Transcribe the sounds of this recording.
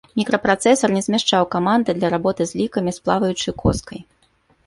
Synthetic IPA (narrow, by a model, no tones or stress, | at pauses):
mʲikɾɐpɾat̪sɛsɐrnʲɛzʲmʲaʂt͡ʂawkamand̪ɨd̪lʲɐɾabɔt̪ɨzʲlʲikɐmʲisplˠavɐjut͡ʂɨkʰɔ̰skɐj